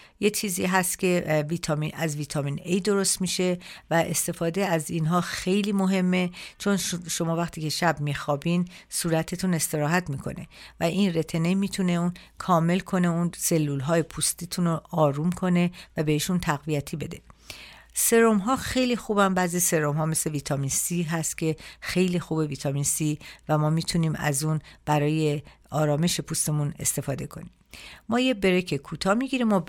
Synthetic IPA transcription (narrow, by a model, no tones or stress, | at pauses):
je̞t͡ʃʰiːzḭːɦæst̪cʲʰe̞viːt̪ʰɒːminæzviːt̪ʰɒmiːnejd̪o̞ɾost̪miʃe̞væʔe̞st̪e̞fɒːd̪eæzinɦɒːxe̞jliːmo̞ɦe̞mːe̞t͡ʃʰo̞nʃo̞mɒːvæxt̪ʰiːcʰe̞ʃæbmiːxɒːbinsuːɾæt̪ʰet̪ʰune̞st̪e̞ɾɒːɦæt̪ʰmiːkʰo̞̰ne̞̰væʔinret̪ʰe̞ne̞jmiːt̪ʰune̞un | kʰɒːme̞lkʰo̞ne̞unse̞lːulɦɒːjepʰust̪iːt̪ʰunoɒːɾuːmkʰo̞ne̞væbe̞heʃunt̪ʰæɣvijæt̪ʰiːbe̞d̪e̞̰ | se̞ɾomɦɒːxe̞jlixuːbænbæzise̞ɾomɦɒːme̞sle̞viːt̪ʰɒminsiːɦæst̪̚cʰe̞xe̞jliːxuːbe̞viːt̪ʰɒminsiːvæmɒːmiːt̪ʰuniːmæ̰zuːnb̥æɾɒːje | ɒːɾɒːme̞ʃepʰust̪e̞mune̞̰st̪e̞fɒːd̪e̞kʰo̞̰niːm | mɒːjebe̞ɾe̞cʰekʰuːt̪ʰɒːmiɡiɾimɔ